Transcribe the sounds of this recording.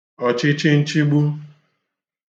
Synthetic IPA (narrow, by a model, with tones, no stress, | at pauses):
ɔ˨t͡ʃɪ˦t͡ʃɪ˦n̩˦t͡ʃi˦ɡ͡bu˦